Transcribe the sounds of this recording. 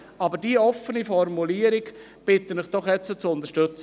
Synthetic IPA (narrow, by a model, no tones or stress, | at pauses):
ɑbəɾdiəɔfənifɔɾmuliːəɾɪɡ | b̥ɪt̪ənɪχd̥ɔχjɛt͡sːət͡sʊnd̪əʃtʏt͡sə